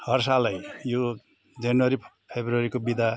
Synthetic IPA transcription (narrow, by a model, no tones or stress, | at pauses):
hʌrs̬alajjo | d͡zʌnwʌɾi | pʰebruʌɾikobid̪ʱa